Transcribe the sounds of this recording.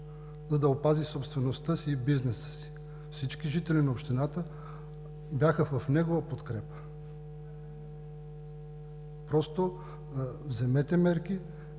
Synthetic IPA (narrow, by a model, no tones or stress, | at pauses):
zɐd̪ɐopazisopst̪vɛnost̪əsiːbiznɛsə̥si̥ | fsit͡ʃkiʒit̪ɛlinɐopʃt̪inat̪ə | bʲjaxəvɐfnɛɡovɐpot̪kɾɛpə̥ | pɾɔst̪o | vzɛmɛt̪ɛmɛɾki